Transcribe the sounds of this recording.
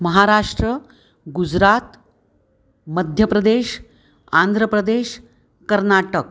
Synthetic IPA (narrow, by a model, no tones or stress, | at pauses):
məɦaɾaʂʈɾə | ɡud͡ʑɾat̪ | məd̪ʱjəpɾəd̪eɕ | and̪ʱɾəpɾəd̪eɕ | kəɾnaʈək